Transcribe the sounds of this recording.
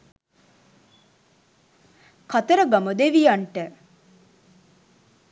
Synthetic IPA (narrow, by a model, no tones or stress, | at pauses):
kat̪əɾəɡaməd̪eʋijaɳʈə